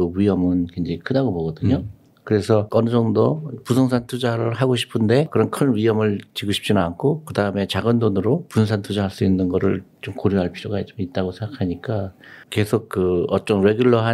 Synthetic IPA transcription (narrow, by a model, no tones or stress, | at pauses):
oɥiɦʌmɯnkend͡ʑeikʰɯdaɡoboɡʌdɯɲo | kɯɾe̞sʰʌʌnɯd͡ʑʌŋdopusʰʌŋsʰantʰud͡ʑaɾɯɭɦaɡoɕʰi̥pʰɯnde̞kɯɾʌnkʰɯnɥiɦʌmɯɭt͡ɕiɡoɕʰi̥p̚t͡ɕ͈inɯnankʰokɯdaɯme̞t͡ɕaɡɯndonɯɾopuss̬ʰantʰud͡ʑaɦaɭs͈uinːɯnɡʌɾɯ̰ɭt͡ɕomkoɾjuɦaɭpʰiɾoɡat͡ɕomit̚t͈aɡosʰe̞ŋɡakʰaɲik͈ake̞sʰok̚k͈ɯʌt͡ɕ͈ʌŋɾe̞ɡjuɭːʌɦa